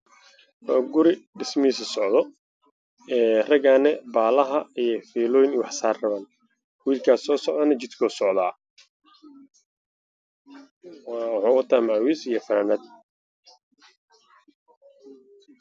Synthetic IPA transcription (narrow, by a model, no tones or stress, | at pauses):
wːɡʊɾɪɖɪsmiːsɐsɔʕd̪ɔ | ɛːrɐɣaːnɛbaːlɐɦɐijɔfiːlɔːjnwɑħsaːrrɐβaːn | wiːlkʰaːsɔːsɔʕd̪ɐnɐt͡ʃɪd̪kʰɔːsɔʕd̪a̰ː | wħuːkʊt̪ʰamaʕwiːsijɔfɐɾanɐd̪̚